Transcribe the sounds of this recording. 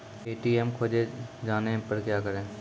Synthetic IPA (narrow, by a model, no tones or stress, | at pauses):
eːʈiːɛmkʰoːd͡ʒed͡ʒaːnepəɾkjaːkəɾẽː